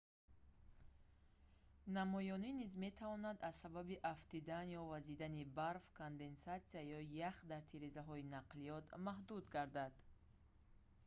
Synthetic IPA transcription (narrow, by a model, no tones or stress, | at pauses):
namɔjɔninizme̞t̪ʰavɔnad̪azsababiʔaft̪id̪anjɔvazid̪anibaɾfkʰond̪e̞nsat̪siajɔjaχd̪aɾt̪ʰiɾizaɦɔinaqlijɔt̪maɦd̪ud̪ɡaɾd̪ad̪